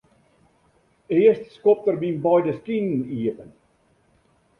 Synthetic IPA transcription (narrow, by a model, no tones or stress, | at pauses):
eːəstskɔp̚t̪ərminbɑjdəskinniəpən